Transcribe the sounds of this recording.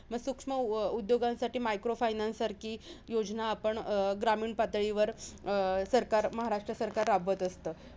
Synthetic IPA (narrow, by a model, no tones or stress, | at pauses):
məɡsukʂməud̪joɡãnsaʈiːmajkɾofajnansaɾkʰiːjod͡znaːpəɳɡɾamiːɳpat̪ɭiʋəɾ | səɾkaɾməɦaɾaʂʈɾəsəɾkaɾːabət̪əst̪əː